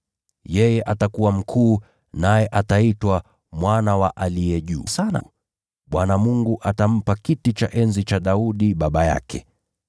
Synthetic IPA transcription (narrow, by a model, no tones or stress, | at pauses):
jɛjɛʔatakuwam̩kʰuː | najɛʔataitwa | mwanawaʔalijɛʄṵːsana̰ | ɓwanamuŋɡuʔatam̩pakitit͡ʃaʔɛnzit͡ʃaɗauɗiɓaɓaja̰kɛ̰